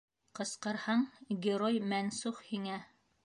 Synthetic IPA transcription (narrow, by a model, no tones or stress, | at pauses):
qɤ̆sqɤ̆ɾhɑɴɡʲɪɾojmænsuχhiŋæ